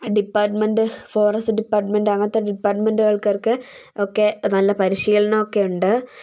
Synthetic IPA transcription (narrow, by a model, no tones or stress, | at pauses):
ɖipːaːʈmenɖɨfo̞ːrɐsɨɖipːaːrʈmenɖɨɐŋːɐt̪ːeɖipːaːrʈmenɖɨɣɐɭkɐrkɨ | okːenɐlːɐpɐɾiʂijɐɭɐnɐokːe̞uɳɖɨ